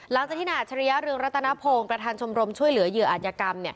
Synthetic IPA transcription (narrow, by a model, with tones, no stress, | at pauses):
la˩˦ŋkt͡ɕa˨˩kt̪ʰi˥˩na˧˨ʔ̚t͡ɕʰa˧ɾi˦˥ja˦˥ɾɯ˧əŋɾa˦˥t̪ʰːa˧na˦˥pʰoː˧ŋpɾa˧t̪ʰaː˧nt͡ɕʰo˧mɾo˧mt͡ɕʰu˥˩əjlɯ˩˦jɯ˧˩˦ɐʔaː˨˩jaː˧˩˧ka˧mni˥˩ɐ